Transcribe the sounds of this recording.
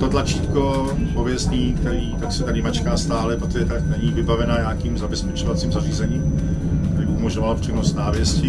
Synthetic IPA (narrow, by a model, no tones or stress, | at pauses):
t̪ot̪lat͡ʃiːt̪kopovjɛst̪ɲiːkt̪ɛɾiːt̪aksɛt̪adɪmat͡ʃkaːst̪aːlɛpɾot̪oʒɛt̪aknɛɲiːvɪbavɛnaɲaːkiːmzabɛspɛt͡ʃovat͡siːmzariːzɛɲiːm | kt̪ɛɾiːbɪʔumoʒɲovalpr̥inost̪naːvjɛscɪ